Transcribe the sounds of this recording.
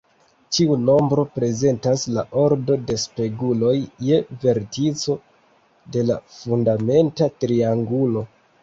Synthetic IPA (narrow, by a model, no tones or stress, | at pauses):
tiuno̞mbɾo̞pɾe̞ze̞ntaslaʔo̞ɾdo̞de̞spe̞ɡulo̞jːe̞ve̞ɾtit͡so̞ | de̞la̰fundame̞ntatɾiaŋɡulo̞